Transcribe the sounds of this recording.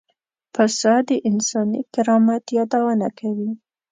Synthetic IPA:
fasɑd̪əʔɪnsɑnikɪɾɑmat̪jɑd̪awənakʰawi

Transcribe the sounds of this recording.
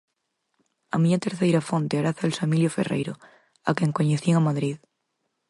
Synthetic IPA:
a̰mĩɲat̪eɾθejɾafont̪eaɾaθalsamiljofḛrḛjɾo | a̰kẽŋkoɲeθieŋamaðɾið

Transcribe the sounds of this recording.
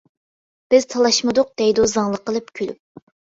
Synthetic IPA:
b̥ɪz̥t̪ʰɑlˠɑʃmɨd̪ʊq̚d̪̥ɛjd̪ozɑŋlˠəqʰːəlˠɨp̚kʲʰylyp̚

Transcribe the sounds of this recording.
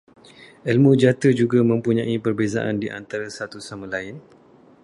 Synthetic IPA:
ɛlmũd͡ʒat̪əd͡ʒuɡamə̃mpuɲãʔipərbeza̰ʔa̰ndiʔa̰nt̪aɾasat̪usamãlaɪn

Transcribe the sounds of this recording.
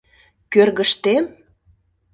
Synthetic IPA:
kørɣəʃt̪em

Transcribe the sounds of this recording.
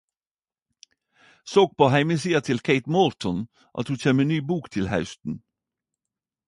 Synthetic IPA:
soːk̚pʰoːhæɪməsiːɑt̪ʰɪlkʰeɪt̪mɔɾt̪ʰɔn | ʔɑ̰t̪hʉːçeːmenyːbuːkt̪ʰɪlhɑ̰ʉst̪n̩

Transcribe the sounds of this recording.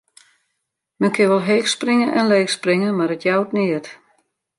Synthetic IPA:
mɛnkʰɪʋɔlˠɦeːxsprɪŋənʔɛnleːxsprɪŋəmarətjawtnɪət

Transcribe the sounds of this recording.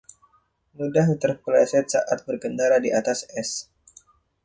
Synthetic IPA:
mudaht̪ərpəlasɛt̪̚sa̰ʔat̪̚bərkəndaladiʔat̪asɛs

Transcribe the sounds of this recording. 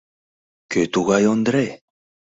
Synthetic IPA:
ket̪uɣajond̪ɾe

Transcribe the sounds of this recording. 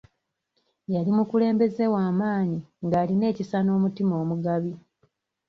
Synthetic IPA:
jalimukule̞ːmbe̞ze̞waːmaːɲiŋɡaːline̞ːcisano̞ːmutimo̞ːmuɡaβi

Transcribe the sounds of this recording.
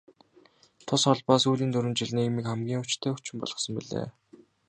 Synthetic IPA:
t̪ʰʊsχɔɮpɔːsuːɮiːnt̪ɵɾwɘ̆nt͡ɕiɮniːimiːkχæmɡʲiːŋʊt͡ɕt̪ʰæːut͡ɕɪ̆mpɔ̰ɮ̥ʁɞ̆sə̆mpiɮḛː

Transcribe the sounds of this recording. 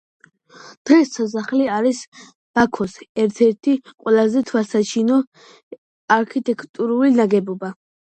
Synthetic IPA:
d̪̥ʁɛsas̬aχliaɾis | b̥akʰɔsɛɾt̪ʰɛɾt̪ʰiqʼwɛlazɛt̪ʰwasat͡ʃʰinɔ | aɾkʰit̪ʼɛkʰt̪ʼuɾulinaɡɛbɔba

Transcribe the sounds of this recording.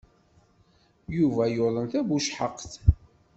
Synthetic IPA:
juvæjolˤəmθæbuʃħəqːθ

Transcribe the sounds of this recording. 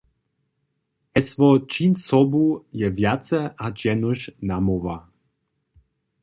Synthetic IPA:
ɛsvɔt͡ʃinsɔbujɛvjat͡sɛad͡ʒɛnuʃnamɔva

